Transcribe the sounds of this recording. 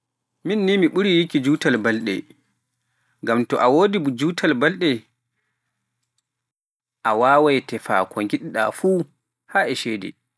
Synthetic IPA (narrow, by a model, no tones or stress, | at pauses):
minːimiɓuɾijikid͡ʒuːtalbalɗɛ̰ | ŋɡamtɔʔawoːdibd͡ʒuːtʰalbalɗɛ | ʔawaːwajtɛfa̰kʰɔŋɡiɗiɗa̰fuː | haːʔɛʃɛdɛ̰